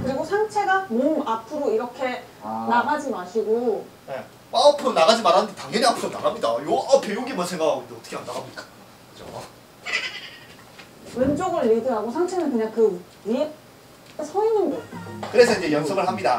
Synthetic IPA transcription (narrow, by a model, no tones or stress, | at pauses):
kɯɾiɡosʰaŋt͡ɕʰe̞ɡamonapʰɯɾoiɾʌkʰe̞naɡad͡ʑimaɕʰiɡo | ne | wapʰɯɾonaɣad͡ʑimaɾɦanɯndetaŋʌniapʰɯɾʌna̰ɡamɲidajoapʰejoŋɡimant͡ɕʰeŋɡadeʌtʰʌ̥kʰeandaɡamik͈ḁ | kkɯd͡ʑo̰ | ɯnt͡ɕ͈oɡɯɭːidɯɦaɡosʰaŋt͡ɕʰe̞nɯnkɯɲaŋkɯ | i | sʰʌinɯnɡʌkɯɾe̞sʰʌind͡ʑe̞jʌŋsʰʌɡɯɭɦamɲida